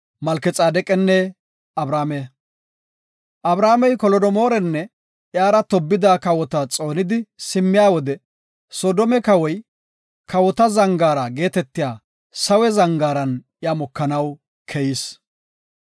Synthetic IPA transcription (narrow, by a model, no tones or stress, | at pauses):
mɐlkɛt͡sʼaːd̪ɛkʼɛnːɛ | ɐbɾaːmɛ | ʔɐbɾaːmɛjkɔlɔd̪ɔmo̞ːɾɛnːɛ | ʔjaːɾɐt̪ɔbːɪd̪aːkɐwɔt̪ɐt͡sʼo̞ːnɪd̪ɪsɪmːɪjaːwɔd̪ɛ | sɔːd̪ɔmɛkɐwɔj | kʰɐwɔt̪ɐzɐŋɡaːɾɐɡe̞ːt̪ɛt̪ːɪjaː | sɐwɛzɐŋɡaːɾɐn | ɪjaːmɔkːɐnɐw | kʰɛjɪs